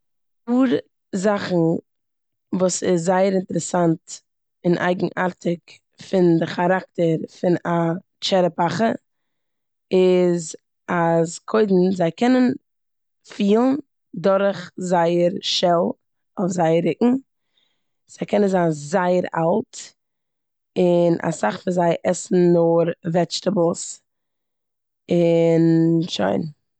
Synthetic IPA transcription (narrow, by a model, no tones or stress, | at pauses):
puːɾ | zaχn̩ | vuːsɪszaɪəɾɪntəɾəsant | ɪnʔa̰ɪɡŋ̩ʔaɾtʰɪk | fɪndɪχaɾak̚təɾfɪna | t͡ʃɛɾəpaχə | ɪz | askʰoɪdn̩zaɪkʰɛnən | fiːlˠn̩ | dʊɾχzaɪəɾʃɛlˠ | ofzaɪəɾɪkŋ̩ | z̥aɪkʰɛnənzaːnzaɪəɾa̰lˠt | ɪnʔa̰saχfɪnzaɪʔɛsn̩nʊɾvɛt͡ʃtabl̩ˠs | ɪnʃo̰ɪn